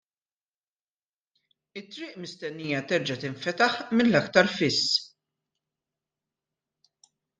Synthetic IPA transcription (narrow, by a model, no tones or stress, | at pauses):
ɪt̪ːɾɪːʔmɪst̪ɛnːiːjɐt̪ɛɾd͡ʒɐt̪ɪɱfɛt̪ɐħmɪnlɐkt̪ɐɾfɪsː